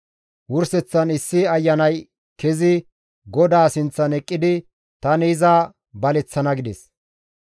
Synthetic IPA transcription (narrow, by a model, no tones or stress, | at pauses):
wʊɾsɛt͡sːɐnɪsːɪɐjːɐnɐj | kɛzɪ | ɡɔd̪aːsɪnt͡sːɐnɛkʼːɪd̪ɪ | t̪ɐniːzaː | bɐlɛt͡sːɐnɐɡɪd̪ɛs